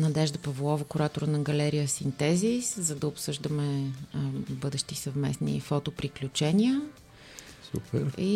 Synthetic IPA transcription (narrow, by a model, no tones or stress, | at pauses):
nɐd̪ɛʒd̪əpɐvulˠɔvəkʊɾat̪ʊɾənɐɡɐlɛɾijəsint̪ɛziszəd̪ɐʊpsɤʒd̪əmɛ | bɤd̪ɛʃt̪isəvmɛsnḭfɔt̪opɾiklʲut͡ʃɛnʲiə | sṵpɛɾi